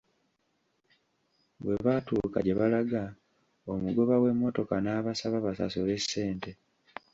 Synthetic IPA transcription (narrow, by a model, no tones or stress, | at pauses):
βwe̞βatuːka̰ɟe̞βalaɡa | omuɡo̞βawe̞mːo̞to̞kanaːβasaβaβasa̰sole̞se̞ːnte̞